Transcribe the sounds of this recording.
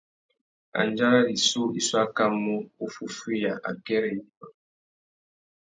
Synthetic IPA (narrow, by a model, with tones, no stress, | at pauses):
a̰˨n˦d͡ʒa˦ɾa˦ɾi˨su˦i˦swa˦ka˦mu˦u˦fu˦fi˦ja˨ʔa̰˨kɛ˦ɾɛ˦i˦a˨